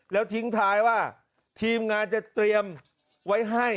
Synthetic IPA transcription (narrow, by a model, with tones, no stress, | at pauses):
lɛː˦˥wt̪ʰi˨˦˥ŋt̪ʰaː˦˧jwaː˥˩ | t̪ʰiː˧mŋaː˧nt͡ɕa˨˩t̪ɾi˧əm | wa˦˥jɦa˥˩j